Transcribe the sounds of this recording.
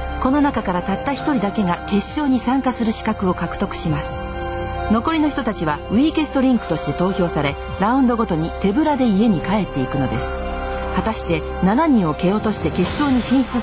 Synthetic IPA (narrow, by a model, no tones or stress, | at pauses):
ko̞no̞nakakaɾat̪at̪ːaçi̥t̪o̞ɾʲid̪ake̞ŋɡake̞ɕːo̞ːɲ̟isãŋkasɨɾɯ̟ɕi̥kakɯ̟o̞kakɯ̟̥t̪o̞kɯ̟̥ɕimasɨ̥ | no̞ko̞ɾʲino̞çi̥t̪o̞t̪at͡ɕiβaɯ̟ike̞sɨ̥t̪o̞ɾʲĩŋkɯ̟̥t̪o̞ɕi̥t̪e̞t̪o̞ːço̞ːsaɾe̞ | ɾaɯ̟̃nd̪o̞ɡo̞t̪o̞ɲ̟it̪e̞bɯ̟ɾad̪e̞ie̞ɲ̟ikae̞t̪ːe̞ikɯ̟no̞d̪e̞sɨ̥ | hat̪aɕi̥t̪e̞ | nanaɲ̟ĩɰ̃o̞ke̞o̞t̪o̞ɕi̥t̪e̞ke̞ɕːo̞ːɲ̟iɕĩɰ̃ɕi̥t͡sɨ